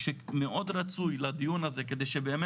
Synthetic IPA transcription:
ʃemeʔo̞d̪ɾat͡sujlad̪ijunazek̬e̞d̪ejʃebeem

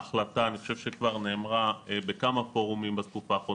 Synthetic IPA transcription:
aχlataːniχoʃevʃekvaʁneːmʁaebekamapoʁumimbaskufaːχʁo

